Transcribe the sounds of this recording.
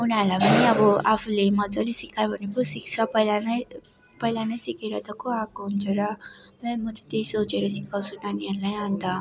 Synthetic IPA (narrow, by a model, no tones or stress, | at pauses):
unaɾlajpʌniʌbʌapʰulemʌd͡zʌlisikajbʱʌnekosik̚t͡sʰʌpʌjlanʌj | pʌjlanʌjsikeɾʌt̪ʌkoakoɦunt͡sʰuɾʌmemʌt̪it̪ejsot͡seɾʌsikawt͡sʰunaniʌɾlajant̪ʌ